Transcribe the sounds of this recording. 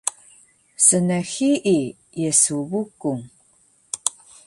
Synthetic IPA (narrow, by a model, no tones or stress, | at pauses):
sənaxiʔi | jesuβukːuŋ